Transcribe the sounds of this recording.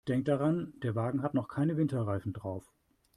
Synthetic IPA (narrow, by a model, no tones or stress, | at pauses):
d̥ɛŋktd̥aʁand̥eːɐvaːɡŋ̩ɦatnɔχkʰaɪnəvɪntɐʁaɪfn̩dʁaʊf